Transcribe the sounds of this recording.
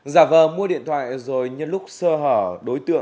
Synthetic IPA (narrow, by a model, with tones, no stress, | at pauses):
zaː˧˩vəː˨˩mu˧əɗḭ˧˨ənt̪ʰwa̰ː˧˨jzo˨˩jɲɨ˧lʊ˦˥k͡p̚səː˧ɦəː˧˩ɗo˨˦jt̪ɨ̰˧˨əŋ